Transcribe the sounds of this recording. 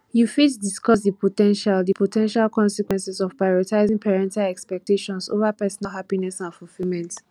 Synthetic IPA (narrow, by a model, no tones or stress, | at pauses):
jufitdiskɔs̬dipotɛ̃nʃaldipotʰɛ̃nʃalkɔ̃nsɛkwɛ̃nsizɔv̥pɹajɔtaɪzĩŋpʰɛɹɛ̃ntalɛkspɛk̚teʃɔ̃nso̰vapɛsɔnalɦapinɛsãnfulfilˠmɛ̃nt